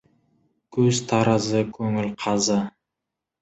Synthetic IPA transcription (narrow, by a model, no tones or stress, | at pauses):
kʲʰɵz̥t̪ʰɑɾʔəzəkʲʰɵŋɪlqʰɑzə